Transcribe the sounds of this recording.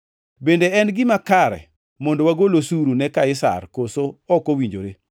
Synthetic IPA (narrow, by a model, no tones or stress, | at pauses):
bendeɛnɡɪmakaɾɛ̰ | mɔndowaɡolosuɾunɛkaɪsa̰rkosoɔkowiɲd͡ʒo̰ɾe